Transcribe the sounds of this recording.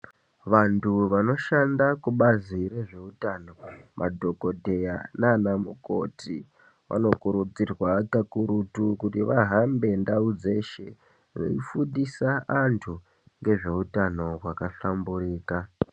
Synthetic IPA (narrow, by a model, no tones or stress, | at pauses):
ʋantʰuʋano̞ʃandakuɓaziɾe̞ʐe̞utano̞mʔa̰dʱo̞ko̞dʱe̞jananamuko̞̰ti | ʋʔa̰no̞kuɾud͡zirwakakuɾutukutiʋaɦambe̞ndaud͡ze̞ʃe | no̰ifundisaantʰu | ŋɡe̞ʐe̞utano̞wakaɬambuɾiːka